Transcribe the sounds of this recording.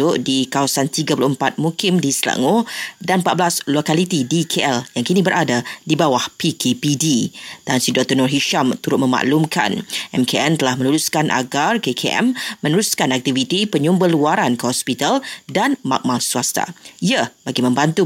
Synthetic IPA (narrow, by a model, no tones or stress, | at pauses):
ʊʔdikawasant̪iɡapulʊhəmpat̪̚mukɪmdisla̰ŋodanmpat̪̚bəlaslokalit̪idikʰeʔɛljaŋkinĩbəɾʔadadibawahpikepidit̪ansidɔk̚t̪ɔnɔrɦiʃamt̪uɾʊt̪̚mə̃ma̰ʔlumka̰nʔɛmkeʔɛnt̪əlahmə̃nuluskanʔa̰ɡarkekʰeʔɛ̰mːə̃nəɾuskanak̚t̪ivit̪ipəɲumbəluaɾankəhɔspit̪aldanma̰k̚malsuast̪a̰iabaɡimə̃mbant̪u